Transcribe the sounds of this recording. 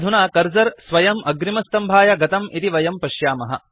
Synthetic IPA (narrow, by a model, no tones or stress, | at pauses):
d̪ʱunaːkɐɾzɐɾsʋɐjɐmʔɐɡɾimɐst̪ɐmbʱaːjɐɡɐt̪ɐmit̪iʋɐjɐmpɐʃjaːmɐɦɐ̰